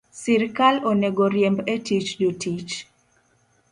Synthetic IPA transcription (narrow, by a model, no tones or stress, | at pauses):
siɾkalonɛɡoɾjɛmbetit͡ʃdotʰit͡ʃ